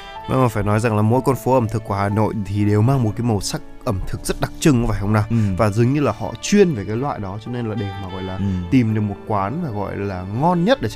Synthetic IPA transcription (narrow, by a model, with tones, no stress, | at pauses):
va̰˧˦maː˨˩faː˧˩jnɔ˨˦jza˨˩ŋlaː˨˩mo̰˧˥jkɔ˧nfo˨˦ʔə˧˩mt̪ʰɨ˨˩kːu˧˩haː˨˩no̰˧˨jt̪ʰi˨˩ɗe˨˩wmaː˧ŋmo˨˩t̚kaː˨˦jmə˨˩wsa˦˥k̚ʔə˧˩mt̪ʰɨ˨˩k̚zə˦˥t̚ɗa˨˩k̚t͡ɕɨ˧ŋ˧˦vaː˨˩jhə˧wŋ͡mnaː˧˩wvaː˨˩zɨ˨˦ŋɲɨ˧laː˨˩hɔ̰˧˨t͡ɕwi˧ənve˨˩kaː˨˦jlwa̰ː˧˨jɗɔ˨˦t͡ɕɔ˧ne˧nlaː˨˩ɗe˨˩maː˨˩ɣɔ̰˧˨jlaː˨˩t̪i˨˩mɗɨ˨˩k̚mo˨˩t̚kwaː˨˦nmaː˨˩ɣɔ̰˧˨jlaː˨˩ŋɔ˧nɲə˦˥t̚ɗe˧˩